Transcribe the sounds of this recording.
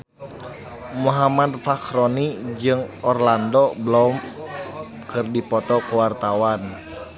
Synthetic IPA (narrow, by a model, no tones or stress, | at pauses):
muɦamad̚fakɾɔnid͡ʒɨŋɔrlandɔblɔm | kɨrdipɔt̪ɔkuwart̪awan